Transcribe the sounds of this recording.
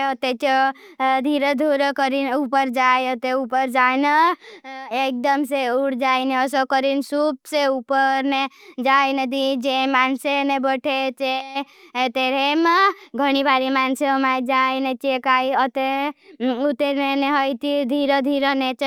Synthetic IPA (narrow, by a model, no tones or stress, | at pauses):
ət̪et͡ʃ | d̪ʱiɾed̪ʱoɾəkəɾinupəɾd͡ʒajət̪eupəɾd͡ʒajnə | ek̚d̪əmseuɽd͡ʒajneɔsɔkəɾinsup̚seupəɾned͡ʒajned̪id͡ʒemansenebəʈʰet͡ʃe | t̪eɾemeɡʱəɽ̃ibaɾimanseəmajd͡ʒajnet͡ʃekajət̪e | ut̪eɾneneɦəjt̪id̪ʱiɾəd̪ʱiɾənet͡ʃ